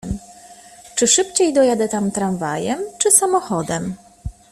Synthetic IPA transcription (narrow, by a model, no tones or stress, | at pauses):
m | t͡ʂɘʂɘpt͡ɕejd̪ɔjad̪ɛt̪amt̪ɾanvajɛmt͡ʂɘsamɔxɔd̪ɛm